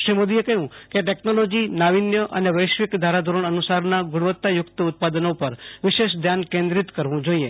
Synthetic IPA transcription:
ʃɾimod̪iekəɦũkeʈeknolod͡ʒinaʋinjəʔəneʋəjʃʋikd̪ʱaɾad̪ʱuɾəɳ̃ənusaɾnaɡʊɽ̃ʋət̪ːajʊkt̪əʊt̪̚pad̪ənopəɾʋɪʃeʃd̪ʱjankẽnd̪ɾit̪kəɾʋũd͡ʒoie

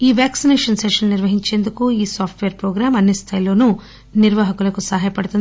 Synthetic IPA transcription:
iːʋjaːksineːʂɐnseʂɐnniɾʋɐɦiɲt͡ʃe̞ːnd̪ukuiːsaːpʰʈʰʋeːɾpɾoːɡɾaːmɐnːist̪ʰaːjlo̞ːnu | niɾʋaːɦɐkulɐkusɐɦaːjɐpɐɽut̪und̪

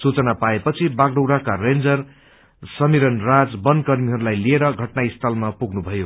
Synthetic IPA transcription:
sut͡sʌnapaepʌt͡sʰibakɖʌwɽakarend͡zʌr | sʌmiɾʌnrad͡zbʌnkʌrmiɦʌɾulajlieɾʌɡʱʌʈnaist̪ʰʌlmapuɡnubʱʌjo

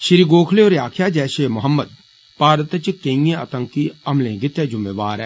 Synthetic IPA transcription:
ʃɪɾiɡoːkʰleoːɾjaːkʰjaːd͡ʒɛːʃeːmʊɦəmːəd̪ | paːɾət̪t͡ʃkeĩjẽə̰t̪ə̃ŋkiɐmlẽːɡɪt̪jeːd͡ʒʊmːeːʋaːɾɛː

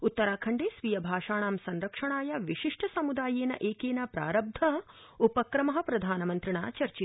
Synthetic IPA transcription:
ut̪ːɐɾaːkʰɐɳɖeːsʋijɐbʱaːʂaːɳaːmsɐnɾɐkʂɐɳaːjɐʋiʂiʂʈʰɐsɐmud̪aːjeːnɐ̰ʔeːkeːnɐpɾa̰ːɾɐb̚d̪ʱɐɦɐ | upɐkɾɐmɐɦɐ̆pɾɐd̪ʱaːnɐmɐnt̪ɾiɳa̰ːt͡ʃɐɾt͡ʃi

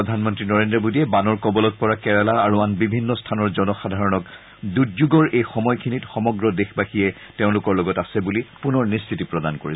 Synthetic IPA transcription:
ɔdʱanmɔntɹinɔɹendɹɔbodiɛbanɔɹkɔbɔlɔt̚pɔɹakɛɹalaːɹuanbibʱinːɔstʰanɔɹzɔnɔxadʱaɹɔnɔk | dudzuɡɔɹejxɔmɔjkʰinitxɔmɔɡɹɔdexbaxijɛ | teʊ̃lʊkɔɹlɔɡɔtasɛbulipunɔɹnistʰitipɹɔdankoɹi

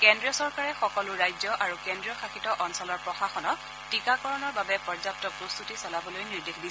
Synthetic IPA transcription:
kɛndɹijɔsɔɹkaɹɛxɔkɔlʊɹajzɔʔaɹukɛndɹijɔxaxitɔʔɔnsɔlɔɹpɹɔxaxɔnɔ | tikakɔɹɔnɔɹbabɛpɔɹzap̚tɔpɹost̪utisɔlabɔlojniɹdexdi

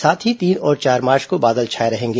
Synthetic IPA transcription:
saːt̪ʰɦit̪iːnɔːɾt͡ʃaːɾmaːɾt͡ʃkobaːd̪əlt͡ʃʰaːeɾɐɦẽːŋɡeː

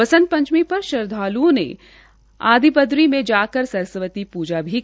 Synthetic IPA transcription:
ɐsə̃nt̪̚pɐ̃ɲt͡ʃmipɐɾʃɐɾd̪ʱaːlunḛ̃ | a̰ːd̪ipəd̪ɾimẽd͡ʒaːkəɾsɐɾsəʋət̪ipuːd͡ʒabʱi

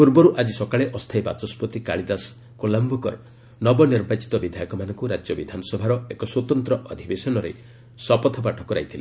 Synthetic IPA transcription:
puɾbɔɾuʔad͡ʒisɔkaɭeʔɔst̪ʰajba̰t͡ʃɔspɔt̪ikaɭid̪as | kolambʱɔkɔ̰ɾ | nɔbɔniɾbat͡ʃi̥t̪ɔbid̪ʱajɔkɔmanɔŋkuɾad͡ʒjɔbid̪ʱanɔsɔbʱaɾɔekɔswɔt̪ɔnt̪ɾɔʔɔd̪ʱibesɔnɔɾḛ | sɔpɔt̪ʰɔpaʈʰɔkɔɾa̰jt̪ʰili

